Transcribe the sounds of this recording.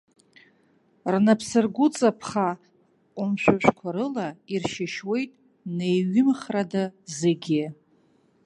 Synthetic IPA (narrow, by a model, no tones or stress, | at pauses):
rnapʰsɨrɡʷʊt͡sʼapʰχa | qʼʊmʃᶣʷaʃᶣʷkʷʰaɾɨlairʃɪʃwe̞jtʼ | ne̞jɥɪmχradazeɡʲɪ